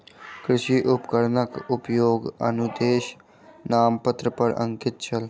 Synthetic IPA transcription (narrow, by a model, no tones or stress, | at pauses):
kɾɪʃiʔʊpkəɾnəkʊpjoːɡə̰nud̪eːʃ | naːmpət̪ɾəpɐɾə̰̃ŋkɪt̪̚t͡ʃʰɐl